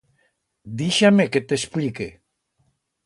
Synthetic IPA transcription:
d̪iʃameket̪esplike

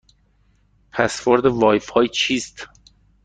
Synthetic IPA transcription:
pʰæsvoɾd̪evɒːjfhɒːjt͡ʃʰiːst̪

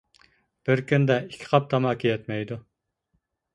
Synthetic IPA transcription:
b̥ɪɾkʲynd̪ɛikʲʰːɪ̥qʰɑp̚t̪ʰɑmɑːkʲʰijɛt̪mɛjd̪u

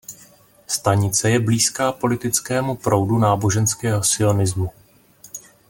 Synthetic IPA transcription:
st̪aɲɪt͡sɛjɛbliːskaːpo̞lɪt̪ɪt͡skɛːmupɾo̞wdunaːbo̞ʒɛnskɛːɦo̞sɪo̞nɪzmu

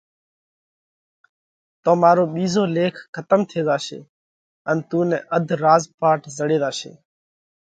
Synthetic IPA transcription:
t̪õːmaːɾoːɓiːzoːleːkʰkːət̪əmt̪ʰeːɗ̪aːʃḛː | ənt̪ũːnɛ̰̃ːʔəd̪ʱɾaːzpaːʈzəɽeːd̪aːsḛː

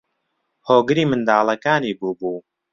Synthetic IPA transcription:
hoːɡɨɾiːmɨnd̪aːlˠɐkaːniːbuːbuː

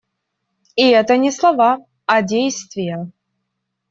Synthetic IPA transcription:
iɛt̪ənʲɪslˠɐva | ɐdʲejst̪vʲɪjə

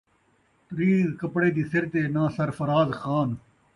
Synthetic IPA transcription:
t̪əɾiːzkəpɽeːd̪iːsɪɾt̪eːnãːsəɾfəɾaːzxaːn

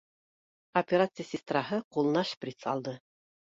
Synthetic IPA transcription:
ɐpʲeɾat̪sɨjsʲɪst̪raɦɤqulˠnɑʃprʲit̪sɑ̰lˠd̪ɤ

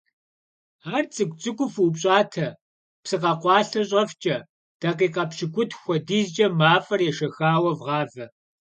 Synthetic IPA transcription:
aːrt͡sʼɨkʷʼt͡sʼɨkʷʼʊfupɕʼɑːtʰɐ | psɨqɐqʷɑːɬɐɕ̬ʼɐft͡ʃʼɐ | d̥ɐqiːqɐpʃɪkʷʼʊtʰxʷɔdiːzd͡ʒʼɐmaːfɐrjɛʃɐxaːwɐvʁɑːvɐ

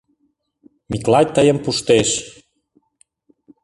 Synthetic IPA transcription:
miklɑj̚ʲt̪əjəmpuʃt̪eʃ

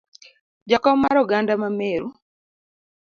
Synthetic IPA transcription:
d͡ʒakɔmaɾɔɡandamameɾu

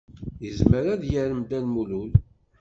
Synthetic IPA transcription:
jəzməɾæðjəɾəmd̪ænmulul

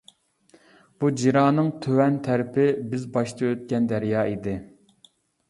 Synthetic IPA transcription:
b̥ud͡ʒiɾɑːnɨŋt̪ʰøwɛnt̪ʰæɾɪpʰɪbɪzbɑʃt̪ʰɨøt̪̚kʲɛnd̪æɾjɑːid̪ɪ

